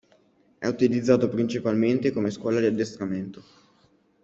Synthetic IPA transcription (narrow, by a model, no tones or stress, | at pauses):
ɛ̰ut̪ilid̪zːaːt̪opɾint͡ʃipalment̪ekomeskwɔːlad̪iad̪ːest̪ɾament̪o